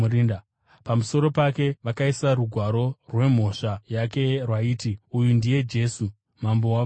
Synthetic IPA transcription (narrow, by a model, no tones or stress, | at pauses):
in | pamuso̞ɾo̞pake̞ʋakaisaɾuɡʱwaɾo̞rwe̞m̤o̞ʂajake̞rwaiːtiujundije̞d͡ʒe̞ːsu | mambowa